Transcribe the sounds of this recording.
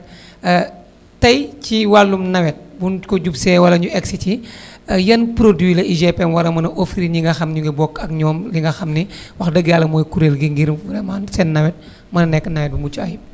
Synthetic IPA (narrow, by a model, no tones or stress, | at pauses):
tɐjciwalːumnɐwɛt̚bunkɔɟupsɛwɐlɐɲuʔɛksicijɐnpɾodwilɐʔiʒɛpɛmwɐlɐmɐnɐʔofɾiɲiŋɡɐxɐmɲuŋɡibɔkːɐkɲɔːmliŋɡɐxɐmniwɐxdəɡjaːlɐmɔːjkuɾelɡiŋɡiɾmfuɾɛmansɛnːɐwɛt̚ | mɐnɐnɛkːənɐwɛt̚bumut͡ʃuɐju